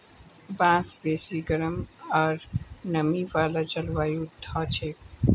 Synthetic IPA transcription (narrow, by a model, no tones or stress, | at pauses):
bãːsbeːsiɡəɾəmɔːɾnəmiʋaːlat͡ʃəlʋaːjut̪ʰːɔːt͡ʃʰeːk